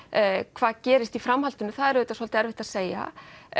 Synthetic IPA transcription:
kʰv̥aːðcɛːɾɪst̪ifɾamhalt̪ʏnːʏθaðɛɾɛːt̪asvɔl̥t̪ɪɛɾvɪht̪aðseːja̰

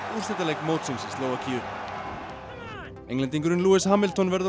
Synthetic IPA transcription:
iɾ̥sɛt̪alejkmowt̪simsɪst̪loːwacʰiːɾ | ejŋlɛnt̪̬iŋkʏɾɪnluːɪshaːmɪlt̪ʰɔnvɛɾð

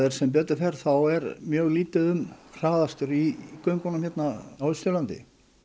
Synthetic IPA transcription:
ðeɾ̥sɛmp̬ɛːt̪ʏɾfɛɾ̥θawɛɾmjœːɣliːt̪ɪðʏmr̥aːðast̪ʏɾikœɥŋkɔnʏmçjɛt̪naaːwðɪst̪ʏlant̪ɪ̰

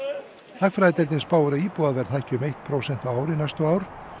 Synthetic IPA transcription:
θakfɾaːðɪt̪ɛlt̪ɪnspaːwʏɾaiːpuðaðvɛɾ̥θajhcʏʏmejht̪̚pʰɾowsɛnt̪awaːwɾɪnajst̪ʏaːwɾ̥

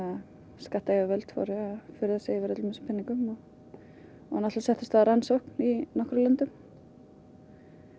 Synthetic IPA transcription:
a | skaht̪ajavɛlt̪fɔ̰ɾɪafʏɾʏðasɛːjivɛɾœt̪lʏmɪsʏ̥pʰɛnːiŋkʏmɔ | anat̪asɛht̪ʏst̪aɾansowhkninɔhkɾʏlœnt̪ʏm

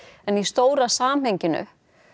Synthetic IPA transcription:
ɛnist̪oːwɾasaːmhejɲcɪnʏ̰

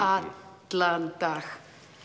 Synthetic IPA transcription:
a | t͡ɬant̪ax

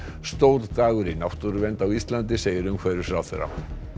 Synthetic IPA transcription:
st̪oːw̪t̪aːɣʏɾɪnawht̪uɾʏvɛnt̪awist̪lant̪̬ɪseːjɪɾʏmkʰvɛːɾɪɾ̥sɾawθɛ̰ɾa̰

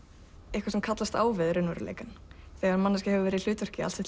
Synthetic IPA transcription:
ehkvaɾsɛmkʰat̪last̪a̰ːwvɪðɾʏnʏɾʏlḛjkanθɛɣaɾmanːascahɛvʏvɛːɾɪil̥ʏːt̪œr̥cɪa̰lsɪ

